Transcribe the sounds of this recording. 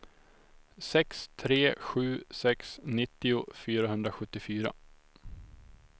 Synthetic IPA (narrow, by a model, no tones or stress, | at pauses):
sɛkst̪ʰɾeːɧʉ̟ːsɛksnɪt̪ːɪʊfyːɾaɦɵnd̪ɾaɧɵt̪ːɪfyːɾa̰